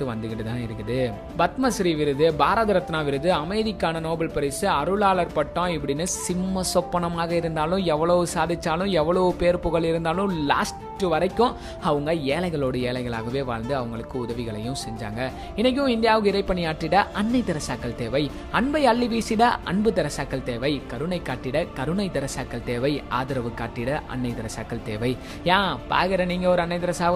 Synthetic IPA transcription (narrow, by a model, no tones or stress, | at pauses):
ɯʋɐ̰nd̪ɯɣɪʈːɯt̪ãːɪɾɯkːɐðɯ | bɐt̪mɐsɾiʋɪɾɯðɯbaːɾɐðɐɾɐt̪ːɪnaːʋɪɾɯðɯɐmɐɪðɪkːaːnɐnoːbɐɭpɐɾɪsɯɐɾɯɭaːɭɐɾpɐʈːõːɪpːɐɽɪnːɯsɪmːɐsɔpːɐɳɐmaːɣɐɪɾɯnd̪aːlʊ̃ɛʋːɐɭɐʋɯsaːðɪt͡ʃːaːlʊ̃ɛʋːɐɭɐʋɯpeːɾpʊɣɐɭɪɾɯnd̪aːlʊ̃la̰ːs | ʈːɯʋɐɾɐɪkːʊ̃ | ɐʋɐŋɡɐeːlɐɪɣɐɭoːɽɐeːlɐɪɣɐɭa̰ːɣɐʋeːʋa̰ːɭnd̪ɯɐʋɐŋɡɐɭɯkːɯʊðɐʋɪɣɐɭɐ̰jʊ̃sɛɲd͡ʒa̰ːŋɡɐ | ɪnːɐk̬ːɪʊ̃ɪnd̪ɪjaːʋɯkːɐɪɾɐɪpːɐɳijaːʈːɪɽɐʔɐnːɐɪd̪ɪɾɐsaːkːɐlt̪eːʋɐɪ | ɐɳbɐɪɐɭːiʋiːsɪɽɐʔɐ̰ɳbɯd̪ɐɾɐsaːkːɐlt̪eːʋɐɪkɐɾɯnɐɪkːaːʈːɪɽɐkɐɾɯnɐɪd̪ɐɾɐsaːkːɐlt̪eːʋɐɪa̰ːðɪɾɐʋɯkːaːʈːɪɽɐʔɐ̰nːɐɪt̪ɪɾɐsaːkːɐlt̪eːʋɐɪ | jãːpa̰ːɣɪɾɐniːŋɡɐɔɾɯɐnːɐɪðɪɾɐsaː